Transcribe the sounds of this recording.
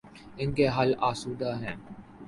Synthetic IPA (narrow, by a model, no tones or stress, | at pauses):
ɪnkeɦɐlaːsuːd̪aɦɛ̃ː